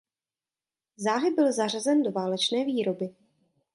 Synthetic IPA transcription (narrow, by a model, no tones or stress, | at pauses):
zaːɦɪbɪlzar̝azɛndo̞vaːlɛt͡ʃnɛːviːɾo̞bɪ